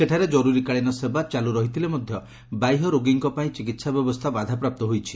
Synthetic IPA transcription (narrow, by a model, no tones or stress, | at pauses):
seʈʰaɾed͡ʒɔɾuɾikaɭinɔsebat͡ʃaluɾɔɦit̪ʰilemɔd̪ʱjɔ | bajɦɔɾoɡiŋkɔpaĩt͡ʃik̬it̪sabjɔbɔst̪ʰabad̪ʱapɾap̚t̪ɔɦojt͡ʃʰi̥